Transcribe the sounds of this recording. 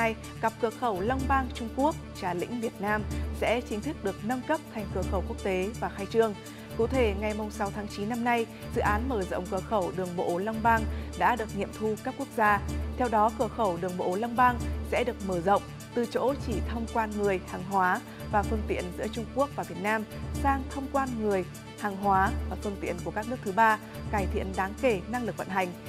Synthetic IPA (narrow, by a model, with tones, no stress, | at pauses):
j | ɣa˨˩p̚kɨ˨˧˩əkxə˧˩wla˧wŋ͡mɓaː˧ŋt͡ɕʊ˧ŋ͡mku˦˥ək̚t͡ɕaː˧˩lḭ̈˧˥ŋ̟vi˨˩ət̚naː˧msɛ̰˧˥t͡ɕï˨˦ŋ̟t̪ʰɨ˦˥k̚ɗɨ˨˩ək̚nə˧mkə˦˥p̚t̪ʰa˨˩jŋ̟kɨ˧˩əxə˧˩wku˦˥ək̚t̪e˨˦vaː˨˩xaː˧jt͡ɕɨ˧əŋ | kṵ˧˥t̪ʰe˧˩ŋa˨˩jmʊ˨˩ŋ͡msa˨˦wt̪ʰaː˨˦ŋt͡ɕi˨˦nːa˧mna˧j | z̥ɨ̰˧˨ʔaː˨˦nməː˧˩zə̰˧˨wŋ͡mkɨ˧˩əxə˧˩wɗɨ˨˩əŋɓo̰˧˥˩la˧wŋ͡mɓaː˧ŋɗa̰ː˧˥ɗɨ˨˩ək̚ŋḭ˧˨əmt̪ʰu˧kaː˦˥kːu˦˥ək̚zaː˧t̪ʰɛ˧wɗɔ˨˦kɨ˧˩əxə˧˩wɗɨ˨˩əŋɓo̰˧˨˦la˧wŋ͡mɓaː˧ŋsɛ̰˧˥ɗɨ˨˩ək̚məː˧˩zə̰˧˨wŋ͡m | t̪ɨ˨˩t͡ɕo̰˧˥t͡ɕi˧˩t̪ʰə˧wŋ͡mkwaː˧nŋɨ˨˩əjhaː˨˩ŋɦwaː˨˦ | vaː˨˩fɨ˧ŋt̪ḭ˧˨ənzɨ̰˧˥ət͡ɕʊ˧ŋ͡mku˦˥ək̚vaː˨˩vi˨˩ət̚naː˧msaː˧ŋt̪ʰə˧wŋ͡mkwaː˧nŋɨ˨˩əj | haː˨˩ŋɦwaː˨˦vaː˨˩fɨ˧əŋt̪ḭ˧˨ənku˧˩əkaː˦˥k̚nɨ˦˥ək̚t̪ʰɓaː˧ | kaː˧˩jt̪ʰḭ˧˨ənɗaː˨˦ŋke˧˩na˧ŋlɨ˨˩k̚və̰˧˨nɦa˨˩jŋ̟